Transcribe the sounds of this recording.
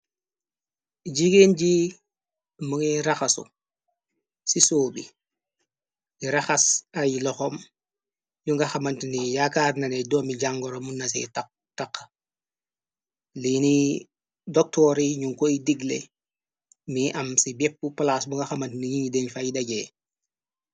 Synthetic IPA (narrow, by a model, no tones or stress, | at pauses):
ɟiɡenɟi | muŋiɾaxasṵ | sisoːbḭ | iɾaxasajilɔxɔm | juŋɡaxamantnijakaːɾnanedɔmiɟaŋɡɔɾomunːas̬ḛta | takː | lini | dɔk̚tɔɾiɲuŋkoidiɡlḛ | miʔɐmsibɛp̚ːupalasbuŋɡaxamɐntniɲiŋidenfajidaɟeː